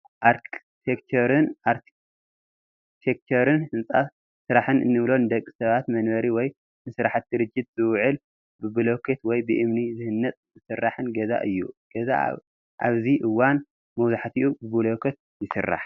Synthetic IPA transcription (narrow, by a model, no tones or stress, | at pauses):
ʔaɾk | t̪ʰekt͡ʃ̪ʰoɾɨnʔaɾtʰ | t̪ʰek̚t͡ʃʰoɾɨnhɨnt͡sʼa | sɨɾaħɨnɨ̰nːɨβlo̞nɨd̪ɐkʼːi̥sɐβat̪mɐnβɐɾiwɔj | nɨsɨɾaħat̪̚ʰːiɾɨd͡ʒːit̪̚z̥ɨwʕɨl | bɨbulokʰet̪wɔjbɨʔɨmnizɨhɨnːɐt̪ʼzɨsɨrːaħɨnɡɐza̰ʔɨjːṵɡ̥ɐza̰ | ʔa̰βziʔɨwan | mɐwzaħt̪ʰiʔubɨbɨlokʰɐt̪̚jɪsɨ̰rːa̰ħ